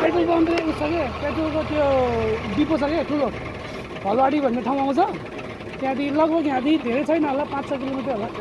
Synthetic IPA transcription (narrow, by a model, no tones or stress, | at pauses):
peʈulpʌnd̪leusʌkepeʈulkot̪joɖiposʌkeʈʰulo | bʱʌloaɽibʱʌnːeʈʰaw̃ãw̃t͡sʰʌ | t̪jãt̪ilʌɡbʌkjãt̪ĩd̪ʱeɾet͡sʰʌjnʌɦolapãt͡ssʌkilomiʈrʌɦola